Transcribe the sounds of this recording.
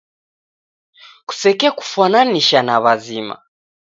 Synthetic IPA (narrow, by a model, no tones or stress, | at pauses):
ku̥sɛkɛku̥fananiʃanaβazima̰